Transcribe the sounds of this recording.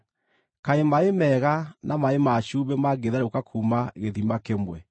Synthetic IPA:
kaemaemɛɣanʔamaemaɕuβɛmaɡeðaɾokakʰuːmaɣeðimakemwɛ

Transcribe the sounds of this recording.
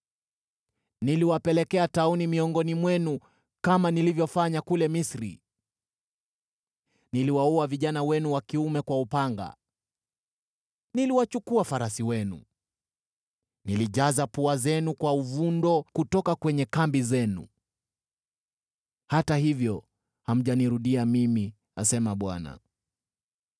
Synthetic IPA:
niliwapɛlɛkɛataunimiɔŋɡɔnimwɛnu | kamanilivjɔfaɲakulɛmisɾḭ | niliwaɔaviʄanawɛnuwakiumɛkwaupaŋɡa̰ | niliwat͡ʃukuafaɾasiwɛnṵ | niliʄazapuazɛnukwauvundɔkutɔkakwɛɲɛkambizɛnṵ | hatahivjɔ | ham̩ʄaniɾuɗiamimi | a̰sɛmaɓwa̰na̰

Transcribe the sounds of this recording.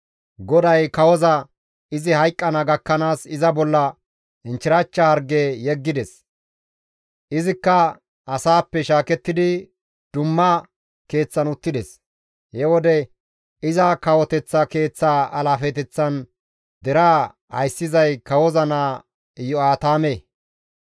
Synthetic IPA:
ɡɔd̪ɐjkɐwɔzɐ | ɪzɪhɐjkʼːɐnɐɡɐkːɐnaːsɪzɐbɔlːɐ | ɪnt͡ʃɪɾɐt͡ʃːɐhɐɾɡejɛɡːɪd̪ɛs | ʔɪzɪkːɐ | ʔɐsaːpːɛʃaːkɛt̪ːɪd̪ɪ | d̪̥ʊmːɐ | ke̞ːt͡sːɐnʊt̪ːɪd̪ɛs | hɛwɔd̪ɛ | ɪzɐkɐwɔt̪ɛt͡sːɐke̞ːt͡sːaːɐlaːfɛt̪ɛt͡sːɐn | d̪ɛɾaː | hɐ̰jsːɪzɐjkɐwɔzɐnaː | ɪjɔaːt̪aːmeː

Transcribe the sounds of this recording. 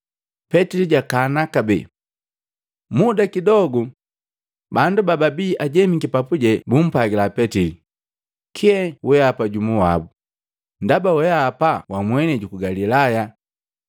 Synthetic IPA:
pɛtiliɟakanakabɛ̰ | mudakidɔɡu | bandubababiːʔaɟɛmiɡipapuɟɛbum̩paɡilapɛtili | kʰiɛwʔɛapaɟumuwa̰bu | ndabawɛaːpawamwɛnɛɟukuɡalilaja

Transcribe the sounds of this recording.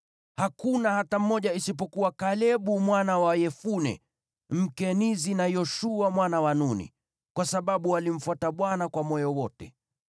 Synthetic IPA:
hakunahatam̩ːɔʄaisip̬ɔkuwakalɛɓumwanawajɛfunɛ̰ | m̩kɛnizinajɔʃuamwanawanunḭ | kwasaɓaɓualim̩fwataɓwanakwamɔjɔwɔtɛ

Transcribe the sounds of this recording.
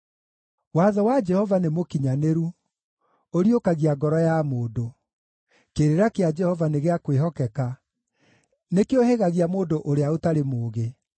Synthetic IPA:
waːðɔwad͡ʒɛhɔvanemokiɲaneɾu | oɾjokaɣiaɡɔɾɔjamoːdo | keɾeɾakead͡ʒɛhɔvaneɣeakweɦɔkɛka | nekeoheɣaɣiamoːdoʔoɾeaotaɾemoːɣe

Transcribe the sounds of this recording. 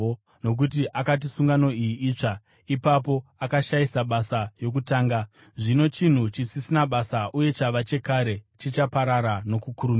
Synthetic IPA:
no̞k̬ut̬iʔakat̬isuŋɡano̞ijiʔiːt͡ʂa | ipap̬o̞akaʃaisaɓasajo̞k̬utaːŋɡa | ʐino̞t͡ʃin̤ut͡ʃisisinaɓasaʔuje̞t͡ʃaʋat͡ʃe̞kaɾe̞t͡ʃit͡ʃapaɾaɾano̞kukuɾumia

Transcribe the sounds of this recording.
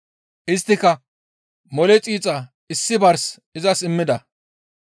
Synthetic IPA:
ʔɪst̪ːɪkɐ | mɔlɛt͡sʼiːt͡sʼɐ | ɪsːɪbɐɾs | ɪzɐsɪmːɪd̪ɐ

